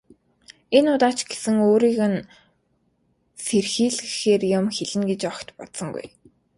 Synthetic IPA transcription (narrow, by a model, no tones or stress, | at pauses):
enʊːt̪aːt͡ɕɡ̥esɘ̆ŋoːɾiːɣɘ̆n | serxiːɮɘxeːrjʊmxeɮɘ̆nɡet͡ɕɔkt̪pɔ̰t̪sə̆ŋɡṵj